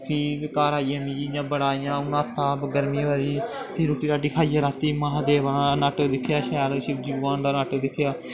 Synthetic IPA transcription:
pʰiːɪkaːɾaːijãːmĩːd͡ʒijãːbəɽaːɪjãːʊnãːt̪ːaːbɡəɾmĩːʋaːɾiː | pʰiːɾoːʈiːɾaːɖikʰaːijaːɾaːt̪ːiːmãːɦd̪eːʋaːnaːʈod̪ɪkʰːjaːʃɛːlːʃɪkd͡ʒiːaːndaːnaʈoːd̪ɪkʰːjaː

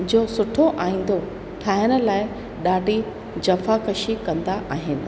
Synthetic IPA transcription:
d͡ʑoːsʊʈʰoʔaːĩːn̆d̪o | ʈʰaːɪənə̆laːɪ | ɗaːɖʱi | d͡ʑɐfakɐʃikɐ̃nd̪aʔaːɦɪnɪ̆

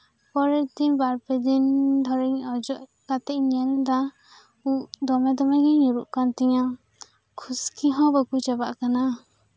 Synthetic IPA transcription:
pɔɾɛt̪iɲbaɾpɛd̪ind̪ʱɔɾɛɲɔd͡ʒɔʔkat̪ɛʔɲiand̪a | uʔd̪ɔmɛd̪ɔmɛɡɛɲuɾuʔkant̪ɛɲa | kʰuskʰiɦɔ̃bakut͡ʃɛbaʔkana

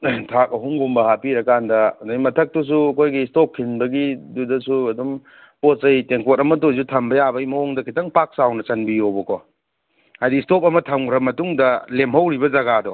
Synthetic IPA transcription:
tʰak̚ɐɦumɡumbɐhapiɾɐkandɐdamɐtʰɐk̚tus̬uɐkʰojɡistop̚kʰinbɐɡidudɐsuɐdum | potsɐjteŋkotɐmɐt̬os̬utʰɐmbɐjabɐimɐoŋdɐkʰitɐŋpak̚sawnɐt͡ʃɐnbijobɔkʰɔ | hajdistop̬̚ɐmɐtʰɐŋɾɐmɐtuŋdɐlemɦɐwɾibɐzɐɡadɔ

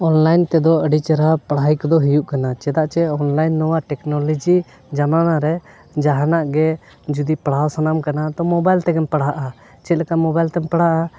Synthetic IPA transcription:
ɔnlajnt̪ɛd̪ɔəɖit͡ʃaɾapɽajkd̪ɔɦijuʔkanat͡ʃɛd̪aʔt͡ʃɛɔnlajnːɔwaʈɛknɔlɔd͡ʒi | d͡ʒamanaɾɛ | d͡ʒaɦanaʔɡɛ | d͡ʒud̪ipɽawsanamkanat̪ɔmɔbajlt̪ɛɡɛmpaɽaʔa | t͡ʃɛt̪̚lɛkaʔmɔbajlt̪ɛmpəɽ̤aʔa

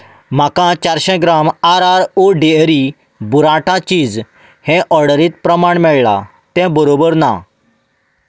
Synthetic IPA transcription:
m̤akãt͡ɕaɾɕɛ̃ɡɾamaɾaɾoɖeɾi | buɾãʈãt͡ɕiːd͡z | hɛ̃ʔɔɾɽəɾiːt̪pɾəmaɳmɛɭɭa̰ | t̪ɛ̃bəɾobəɾna̰

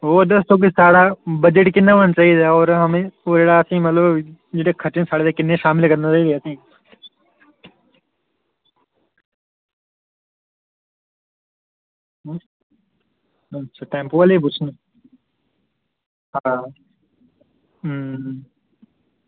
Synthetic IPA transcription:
oːd̪ɐst̪oːk̬isaːɽabɐd͡ʒeʈkɪnːaʋənt͡ʃaːid̪aɔːɾɦɐmẽoːɾeːɽaɐsĩːmɐt̪ləbd͡ʒɪɽekʰɐʈɪnsaːɽed̪ekɪnːẽʃaːmɪlkɐɾnat͡ʃaːɦiːd̪eɐsĩː | ɐt͡ʃʰaʈẽːmpuʋəlep̬ʊt͡ʃʰn | ɦa

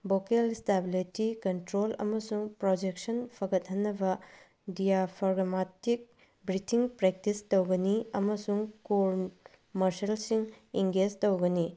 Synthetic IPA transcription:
bokelistabilitikɐntɾolɐ̰mɐsuŋpɾod͡ʒek̚sɐnpʰɐɡɐt̚ɦɐnːɐbɐ | dijapʰaɾɡɐmatik̚ | bɾitʰiŋpɾek̚tistowɡɐniɐmɐsuŋkoɾ | mɐɾsɐlsiŋiŋɡed͡ʒtowɡɐni

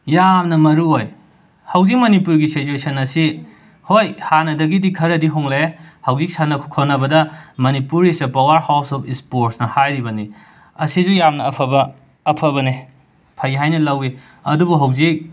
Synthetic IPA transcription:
jamnɐmɐɾuɦoj | hɐwzik̚mɐnipuɾɡisit͡ʃuesɐnɐsi | hojhanɐdɐɡidikʰɐɾɐdiɦoŋlahɐwzik̚sanːɐkʰkʰonɐbɐdɐmɐnipuɾisɐpawɐɾhawsɔpʰispoɾsnɐhajɾibɐni | ɐsizujamnɐːpʰɐbɐː | pʰɐβɐni | pʰɐjɦajnɐlɐwi | ɐdubuɦɐwzik̚

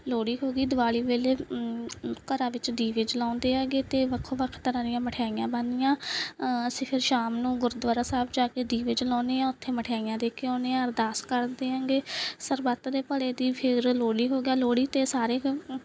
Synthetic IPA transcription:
loːɽiːɦoːɡiːd̪ʊʋaːliːʋeːleː | kəɾãːʋɪt͡ʃd̪iːʋed͡ʒlãːnd̪eːaːɡeːt̪eːʋəkʰoʋəkʰt̪əɾãːd̪ɪjãːməʈʰjaːijãːbənd̪ɪjãːəsĩːpʰɪɾʃaːmnũːɡʊɾd̪ʋaːɾaːsaːbd͡ʒaːkeːd̪iːʋed͡ʒlãːnd̪eːãːʊt̪ʰːeːməʈʰejaːijãːd̪eːkʰːeõːneːaɾd̪aːskəɾd̪eːɦãːŋɡeːsəɾbat̪d̪eːpəɽeːd̪iːpʰɪɾloːɽiːɦoːɡeaːloːɽiːt̪eːsaːɾeː

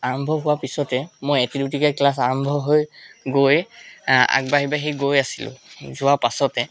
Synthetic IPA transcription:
aɹɔmbʱɔɦʊwapisɔtɛmojetidutikaklas̬aɹɔmbʱɔɦojɡoj | a̰k̚baɦibaɦiɡojasilʊ̰̃zʊwaɹpasɔtɛ

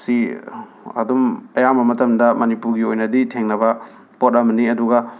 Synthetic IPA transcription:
si | ɐ̰dumɐjamɐmɐtɐmdɐmɐnipuɾɡiojnɐditʰeŋnɐbɐ | pot̚ɐmɐniɐduɡɐ

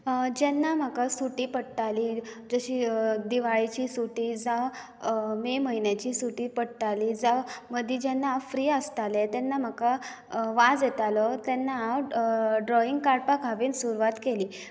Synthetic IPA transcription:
d͡ʑɛnːam̤akasuʈiːpəɽt̪alid͡zəɕiːd̪iʋaɭit͡ɕiːsuʈid͡za | meməɦinjat͡ɕiːsuʈiːpəɽt̪aliːd͡zaməd̪ʱid͡ʑɛnːaafɾiːəst̪alet̪ɛnːam̤əka | ʋad͡zjet̪alɔt̪ɛnːaːwɖɾɔiŋɡkaɾpakaʋiːnsuɾʋat̪keliː

